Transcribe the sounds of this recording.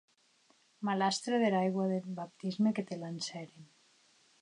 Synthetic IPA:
malast̪ɾeðelajɣwaðelbap̚t̪izmeket̪elansɛɾen

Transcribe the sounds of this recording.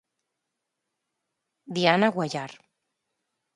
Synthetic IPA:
d̪ianaɣwaʒaɾ

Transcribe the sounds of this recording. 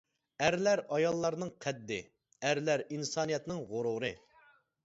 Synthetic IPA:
æɾlæɾɑjɑlˠːɑɾnɨŋqʰɛd̪ːɪ | æɾlæɾinsɑːnijɛt̪nɪŋʁoɾuɾɨ

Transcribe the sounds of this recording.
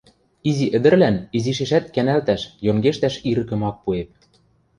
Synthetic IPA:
iziʔɘ̆d̪ɘ̆rlæniziʃ̬eʃæt̪̚kænælt̪æʃjoŋɡeʃt̪æʃiɾɤ̆kɤ̆mɑk̚puep̚

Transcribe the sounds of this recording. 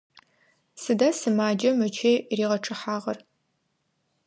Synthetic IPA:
sɨdaːsɨmaːd͡ʒɐmɨt͡ʃʰeːriːʁɐʈ͡ʂʰʼɨħaːʁɐr

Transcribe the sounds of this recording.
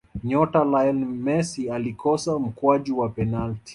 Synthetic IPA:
ɲɔtalaɛlmɛsialikɔsam̩kwaʄiwapɛnalti̥

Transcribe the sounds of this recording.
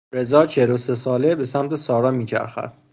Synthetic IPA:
ɾe̞zɒːt͡ʃʰelose̞sɒːlebe̞sæmt̪ʰe̞sɒːɾɒːmiːt͡ʃʰæ̰ɾxæ̰d̪̥

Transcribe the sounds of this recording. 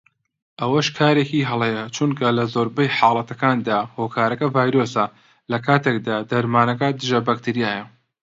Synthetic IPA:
ʔɐwɐʃkʰaːɾekiɦɐlˠejɐt͡ʃʰunkʰɐlɐzoɾbɐjħɑːlˠɐt̪ɐkaːnd̪aːhoːkʰaːɾɐkɐvaːjɾoːsɐ | lɐkʰaːt̪ʰek̚d̪aːd̪ɐɾmaːnɐkɐd̪ɨʒɐbak̚t̪ʰiɾijaːjɐ

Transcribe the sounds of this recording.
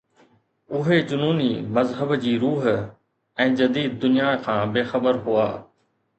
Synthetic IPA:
ʊɦed͡ʑʊnuːnimɐzɦəbd͡ʑiːɾuːɦ | ɛ̃ːd͡ʑɐd̪iːd̪̚ːʊnijaːkʰãːbeːxəbəɾɦuaː

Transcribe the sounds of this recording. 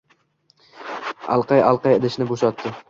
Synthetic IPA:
ɑ̰lˠqɑjalˠqɑjɪd̪ɪʃnɪboʃat̪ːɪ

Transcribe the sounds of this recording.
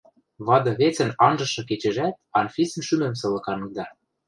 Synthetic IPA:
βɑd̪ɤ̆βet͡sɘ̆nɑnʒɤ̆ʃɤ̆k̬et͡ɕɘ̆ʒæt̪̚ɑnfʲisə̆nʃymɘ̆msɤ̆lɤ̆kɑnɤ̆k̚d̪ɑ

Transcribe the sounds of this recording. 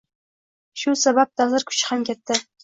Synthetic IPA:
ʃʊsabap̚t̪ʰazɨɾkʰʊ̥t͡ʃʰχɑmkʲɛt̪ːɪ

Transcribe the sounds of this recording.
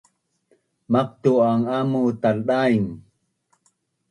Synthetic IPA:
maq̚t̪uaŋamut̪alɗaiŋ

